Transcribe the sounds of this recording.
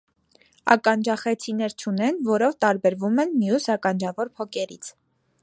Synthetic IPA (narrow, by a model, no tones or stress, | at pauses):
ɑ̰kɑnd͡ʒɑχɛt͡sʰinɛɾt͡ʃʰunɛnvɔɾɔvt̪ɑɾbɛɾvumɛnmjusɑkɑnd͡ʒɑvɔɾpʰɔkɛɾit͡sʰ